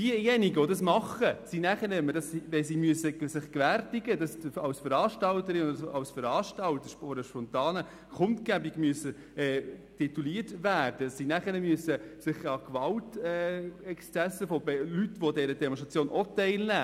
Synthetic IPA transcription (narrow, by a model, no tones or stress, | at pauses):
d̥iəjɛniɡəodɑsmɑχəsinæχəɾɪmːədɑsiʋɛsimyəsəsɪχkʋæɾtiɡəd̥ɑsɑwsfəɾɑːʃtɑltəɾɪʊsɑwsfəɾɑːʃtɑltəɾfɔɾəʃpɔnt̪ɑːnə | kχʊntkæbiɡ̥myəsə | ɛːtʰit̪uliətʋæːrd̥ədsinæχənəmyəsəsɪχɑkʋɑltɛɛkst͡sæsːəfɔbɛlytːʋodɛɾədɛmõnʃtʁɑt͡sjoːnʔɔtɛɪlnæ